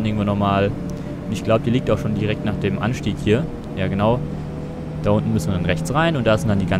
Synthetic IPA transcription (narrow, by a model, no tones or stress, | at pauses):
nʔɪɐŋ̩tv̥oːnɔχmaːl | ʔʊntɪçɡ̥laʊbəd̥iːliːk̚taʊxʃoːndiːʁɛk̚tnaːχd̥eːmʔa̰nʃtiːkhiːɐ | jaːɡənaʊ | d̥aːʔʊntn̩mʏsn̩vɐdanʁɛçt͡sʁaɪnʊntd̥aːzɪntd̥andiːɡa